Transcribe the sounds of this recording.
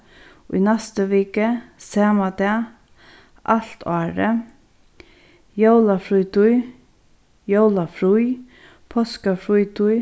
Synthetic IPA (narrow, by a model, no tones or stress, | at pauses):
ʊ̰jnɛst̪əʋɪːkəsɛːmad̪ɑː | ʔal̥t̪ʰɑːɾə | jowlafɾujt̪ʊj | jowlafɾuj | pʰɔskafɾujt̪ʊj